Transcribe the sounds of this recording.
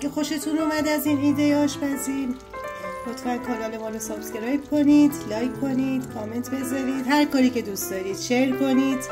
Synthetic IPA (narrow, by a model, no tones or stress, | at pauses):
ɡexo̞ʃe̞t̪ʰunumæd̪æziːniːd̪ejeɒːʃbæziɾ | mot̪ʰmænkʰɒːlɒːlemɒːɾosɒːft̪ɡʲeɾɒjkʰo̞niːd̪lɒːjkʰːo̞niːd̪̥kʰɒːme̞nt̪ʰbe̞zɒɾiːd̪hæɾkɒːɾiːcʰe̞d̪ustd̪ɒːɾiːd̪̥ʃeɾkʰo̞niːd̪̥